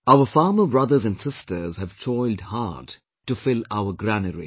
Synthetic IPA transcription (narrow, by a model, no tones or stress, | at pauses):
aʊəfɑːməbɹʌd̪əzæ̃nsɪstʰəzhæv̥tʰɔɪldha̰ːd̥ | ʈufɪlaʊəɡɾænəɾḭ